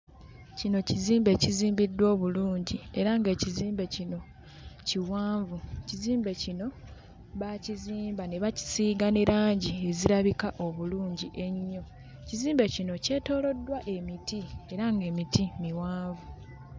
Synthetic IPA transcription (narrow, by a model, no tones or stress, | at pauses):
cino̞ciziːmbe̞ciziːmbidːwo̞ːβuluːɲɟie̞ɾaŋɡe̞ːciziːmbe̞cino̞ | ciwaːɱvuciziːmbe̞cino̞ | βaciziːmbane̞βaci̥siːɡaneɾaːɲɟie̞ziɾaβikaʔo̞βuluːɲɟiʔe̞ɲːo̞ | ciziːmbe̞cino̞ce̞ːto̞ːlo̞dːwaʔe̞mitie̞ɾaŋɡe̞ːmitimiwaːɱvu